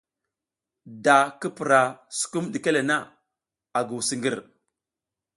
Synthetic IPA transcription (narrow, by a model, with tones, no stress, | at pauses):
da˨ki˦pi˨ɾa˨su̥˨ku˦mɗi˨ke˦le˨na˦ | a˨ɡu˨wsi˦ŋɡi˦ɾ